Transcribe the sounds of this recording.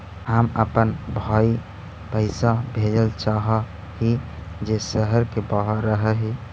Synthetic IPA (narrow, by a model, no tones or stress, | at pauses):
həməpənbʱai | pəɪsabʱed͡ʒəlt͡ʃaɦə | hid͡ʒesəɦəɾkebaɦəɾːəɦəɦi